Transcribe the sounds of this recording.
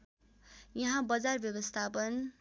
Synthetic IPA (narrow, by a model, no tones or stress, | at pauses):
jʌɦãbʌd͡zarbjʌbʌst̪ʰapʌn